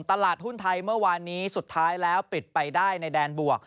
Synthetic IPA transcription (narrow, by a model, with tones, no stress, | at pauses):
ŋt̪a˧laː˨˩t̪̚hu˥˩nt̪ʰa˧jmɯ˥˩ɐwaː˧nːiː˦˥su˨˩t̪ʰːaː˦˥jlɛː˦˥wpi˨˩t̪̚pa˧jdaː˥˩jna˧jdɛː˧nbu˨˩ək̚